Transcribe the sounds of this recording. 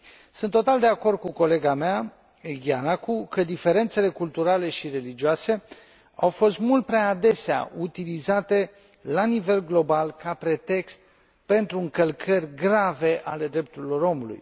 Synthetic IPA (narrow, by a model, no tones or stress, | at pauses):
sɨnt̪ːo̞t̪ald̪e̞ako̞rd̪̚kuko̞le̞ɡamea | ɡianakukəd̪ife̞ɾe̞nt̪se̞le̞kult̪uɾale̞ʃiɾe̞lid͡ʒioase̞ | awfo̞st̪mult̪̚pɾeaːd̪e̞sea̰ʔut̪ilizat̪e̞ | lanive̞lɡlo̞balkapɾe̞t̪e̞kst̪̚ | pe̞nt̪ɾuɨŋkəlkʰərʲɡɾave̞ʔale̞d̪ɾe̞p̚t̪uɾilo̞ɾo̞mulṵj